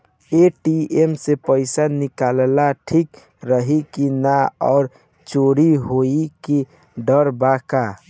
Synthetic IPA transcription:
eʈiemsepəɪsanɪkallaʈʰik | ɾəɦikinaɔ̰ːɾ | t͡ʃoɾiɦoiki | ɖəɾbaka

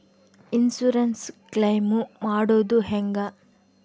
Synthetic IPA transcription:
insuɾɐnsklɐjmumaːɽoːd̪uɦɛŋɡɐ

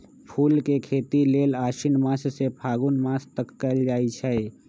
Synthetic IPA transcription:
pʰuːlkekʰeːt̪ileːlaːʃinmãːssepʰaːɡunmaːst̪əkːəld͡ʒaːit͡ʃʰɛe

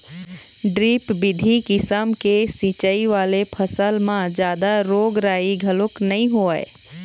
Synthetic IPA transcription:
ɖɾiːpbɪd̪ʱikɪsəmkesĩt͡ʃəiʋaːlepʰəsəlmãd͡ʒjaːd̪aɾoːɡɾaːiɡʱəlʊknɐɦĩɦoːəḛ

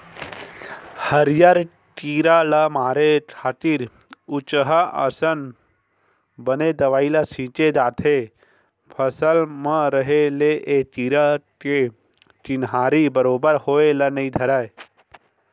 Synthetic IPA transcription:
həɾjaɾ | ʈiːɾalamaːɾeʈʰaːt̪iːɾ | ut͡ʃɦaʔə̰sən | bəned̪ɐʋaːilasĩːt͡ʃed̪aːt̪ʰe | pʰəsəlməɾəɦeleʔeʈiːɾake | t͡ʃinɦaːɾibəɾoːbəɾhoːelɐnɐĩd̪ʱəɾaːe

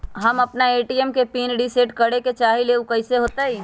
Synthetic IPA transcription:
ɦəməpnaeːʈiemkepiːnɖiseːʈkəɽeket͡ʃaːɦileukəɪseɦoːt̪aɦiː

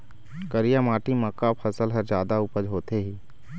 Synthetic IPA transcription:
kəɾijamaːʈimə̃kapʰɐsəlɦəɾzd͡ʒjaːd̪aʊpəd͡ʒɦoːt̪eɦiː

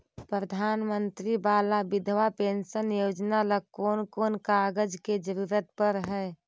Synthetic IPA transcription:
pɾəd̪ʱaːnmənt̪ɾibaːlabɪd̪ʱʋapeːnsənjoːd͡ʒnaləkoːnkoːnkaːɡəd͡ʒked͡ʒəɾuːɾət̪pəɾɦɛː

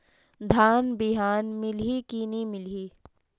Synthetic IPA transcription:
d̪ʱaːnbɪɦaːnmɪlɦikinimɪlɦiː

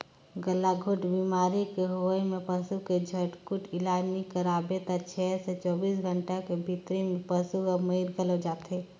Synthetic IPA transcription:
ɡəlːaɡʱoʈbimaːɾikeɦojmepəsuked͡ʒʱəʈkuʈɪlaːd͡ʒnikəɾabet̪at͡ʃʰɛːset͡ʃɔːbiːs̬ɡʱəɳʈakebʱit̪ɾimepəsuəməiɾɡʱələd͡ʒaːt̪e

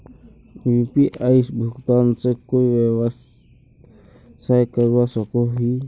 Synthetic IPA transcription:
jupiʔaːɪsbʱʊkt̪aːnsekoːiʋew | saekəɾwasəkoɦi

